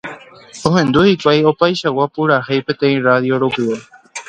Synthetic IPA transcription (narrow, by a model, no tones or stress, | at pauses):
o̞ɦẽ̞nd̪uhikʷajo̞pajʃawapuɾahejpẽ̞t̪ẽĩraðjoɾopɨʋe